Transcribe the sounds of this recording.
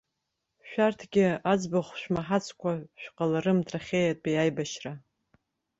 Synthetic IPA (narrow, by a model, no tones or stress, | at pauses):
ʃᶣartʰɡʲɪad͡zbaχʷʃᶣmaħat͡sʰkʷʰaʃᶣqʼalaɾɨmtʰʼraχʲeːjatʼbijajbaʃra